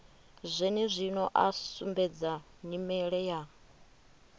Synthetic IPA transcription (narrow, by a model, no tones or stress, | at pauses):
zʷɛnɛzʷinɔʔasumbɛd͡za | ɲimɛɺɛja